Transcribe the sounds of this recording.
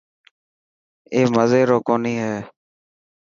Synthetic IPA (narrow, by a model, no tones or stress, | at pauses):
eːməzeːɾoːkoːniːɦɛː